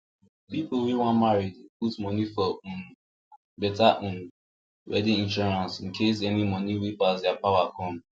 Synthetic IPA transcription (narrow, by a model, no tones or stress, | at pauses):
pipowiwãnmaɹidputmɔnifɔũnu | bɛtaʔũnu | wɛ̰dĩĩnʃɔɹãnsĩn̩kʰes̬ɛnimɔniwipasdɛapawakɔ̃m